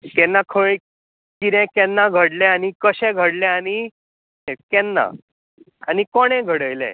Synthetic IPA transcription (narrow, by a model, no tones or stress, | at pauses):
kɛnːakʰəɭ | kiɾɛ̃kɛnːaɡʱəɽlɛ̃anikəɕɛ̃ɡʱəɽlɛ̃aɽ̃i | ɛkɛnːa̰ | anikoɽ̃ɛ̃ɡʱəɽəjlɛ̰̃